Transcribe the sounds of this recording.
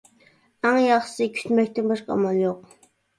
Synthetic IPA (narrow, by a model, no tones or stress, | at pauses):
æŋjɑχʃsɨkʲʰy̥t̪mɛk̚ʲt̪ɪnbɑʃqʰɑɑ̰mɑlˠjoq